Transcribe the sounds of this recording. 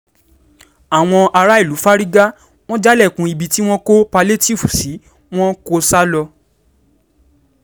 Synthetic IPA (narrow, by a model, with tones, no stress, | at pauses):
a˨w̃ɔ̃˧a˧ɾa˦i˦˨lu˨˦fa˦ɾi˦ɡa˦ | w̃ɔ̃˦d͡ʒa˦lɛ˦˨kũ˧i˧bi˧ti˦w̃ɔ̃˦ko˦pa˧le˦ti˦˨fu˨si˨˦ | w̃ɔ̃˦ko˧sa˦lɔ˧